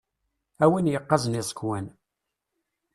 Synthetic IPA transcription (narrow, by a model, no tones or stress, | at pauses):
æwinjəqːɑznɪsˤə̥kwæn